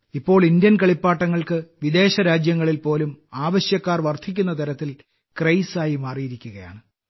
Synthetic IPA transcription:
ipːo̞ːɭind̪jɐnkɐɭipːaːʈːɐŋːɐɭkɨʋid̪e̞ːɕɐɾaːd͡ʑjɐŋːɐɭilpo̞ːlumaːʋɐɕjɐkːaːrʋɐrt̪ʰikʲːunːɐt̪ɐɾɐt̪ːil | krɐjsaːjimaːrijiɾikʲːuɣɐja̰ːɳɨ

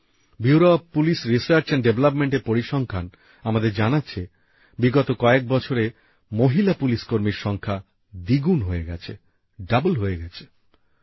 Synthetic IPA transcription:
bjuuɾopːulisɾisaɾt͡ɕaɳɖeblapmeɳʈeɾpoɾiʃɔŋkʰan | amad̪eɾd͡ʑanatːɕʰe | biɡɔt̪okɔek̚bɔt͡ɕʰoɾe | moɦilapuliskoɾmiɾʃɔŋkʰa | d̪iɡunɦoeɡɛt͡ɕʰe | ɖabolɦoeɡɛt͡ɕʰe̥

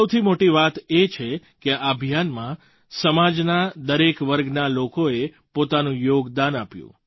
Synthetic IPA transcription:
əwt̪ʰimoʈiʋat̪et͡ʃʰekeʔabʱijanmã | səmad͡ʒnad̪əɾekʋəɾɡnalokoe | pot̪anũjoɡd̪anapjṵ̃

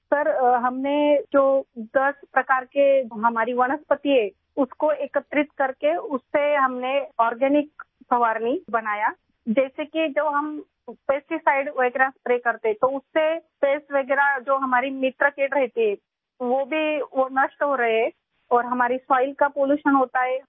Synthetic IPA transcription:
sɐɾɦɐmned͡ʒoːd̪ɐspɾɐkaːɾkeɦɐmaːɾiʋɐñəspət̪iɦɛː | ʊskoeːkət̪ɾɪt̪kɐɾkeʊsːeɦɐmneɔːɾɡɛːnɪk | pɐʋaːɾnibɐnaːja | d͡ʒɛːsekid͡ʒɐbɦɐm | peːsʈisaːɪɖʋeɡɾaːspɾeːkɐɾt̪eɦɛ̃t̪oʊsːepeːsʋeɡɾad͡ʒoːɦɐmaːɾimɪt̪ɾəkeːʈɾɐɦt̪iɦɛ | ʋobʱiʋonəʃʈɦoɾɐɦeɦɛ | ɔːɾɦɐmaːɾisaːɪlkapoːljuːʃənɦoːt̪aɦɛ

